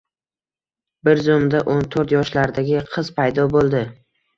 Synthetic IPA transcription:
bɪɾzomd̪aʔont̪ʰoɾt̪jɒʃlaɾd̪aɡʲɪqʰɨz̥pʰajd̪ɒbolˠd̪ɪ

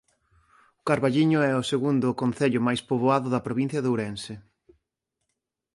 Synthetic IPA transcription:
ʊkaɾβaʎiɲʊɛʊseɣund̪ʊkonθeʎʊmajspoβoaðʊðɐpɾoβin̟θjɐðeuɾɛnsɪ

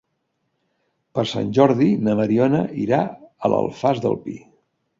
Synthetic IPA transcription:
pəɾsa̰nʲʒɔɾðinəməɾiɔnəʔiɾaəlʔə̰lˠfazðə̰lˠpḭ

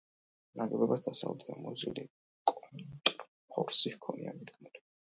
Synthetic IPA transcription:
naɡɛbɛbasd̪asaṵlɛt̪d̪amɔzili | kʼɔnt̪ʼɾ | pʰɔɾsihkʰɔniamid̪ɡmɛɾi

